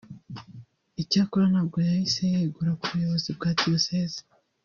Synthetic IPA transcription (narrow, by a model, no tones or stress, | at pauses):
icaːkoɾanaːb̚ɡo̞jahise̞jeɡuɾakuβujo̞βo̞zibɡaːdioseːzi̥